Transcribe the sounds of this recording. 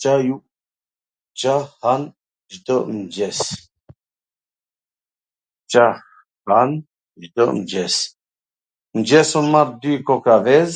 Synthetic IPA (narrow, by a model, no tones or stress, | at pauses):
t͡ʃaju | t͡ʃahan | ʒd̪əʔmd͡ʒɛs | t͡ʃa | han | ʒd̪əmd͡ʒɛs | md͡ʒɛsɔnmaɾd̪ikɔkavɛz